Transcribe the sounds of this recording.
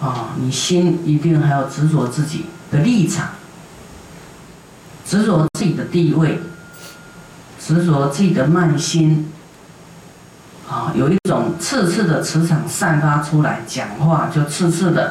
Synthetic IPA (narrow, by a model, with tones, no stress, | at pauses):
ɔ˥˨˩ni˨˩ɕi˦˥ni˧˥t̪i˥˩ŋxa˧˥ɪjo˨˩ʊt͡sɻ̩˧˥swɔ˧˥˦t͡sɹ̩˥˩t͡ɕḭ˨˩d̪̥ə˦li˥˩ʈ͡ʂʰɑ̰˨˩˦ŋ | t͡sɻ̩˧˥swɔ˨˧˥t͡sɹ̩˥˩t͡ɕi˨˩d̪ə˦t̪i˥˧we˥˩ɪ | t͡sɻ̩˧˥swɔ˧˥t͡sɹ̩˥˩t͡ɕi˨˩d̪ə˩ma˥˨nɕi˦n | ɔ˥˩jo˨˩ʊi˥˩t͡sʊ˨˩ŋt͡sʰɹ̩˥˧t͡s̩ʰ˥˩d̪ə˩t͡sʰɹ̩˧˥t͡sʰɑ˨˩ŋsa˥˧nfa˥ʈ͡ʂʰu˥la̰˧˦ɪt͡ɕja˨˩ŋxwa˥˧t͡ɕjo˥˧ʊt͡sʰɹ̩˥˧t͡s̩ʰ˥˩d̪ə̰˩